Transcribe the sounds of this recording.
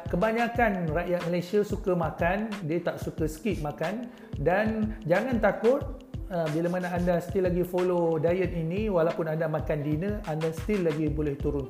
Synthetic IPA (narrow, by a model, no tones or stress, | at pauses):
kəbaɲakanraʔjat̪̚məlasiasukamakandiət̪aʔsukəsə̥kiʔ̪̚makan | dand͡ʒaŋãnt̪akʊt̪̚ | əbilamanaandast̪ilaɡifolodajət̪̚inĩwalapʊnandamãkandinə̃ʔandast̪ilːaɡibolɛht̪uɾʊn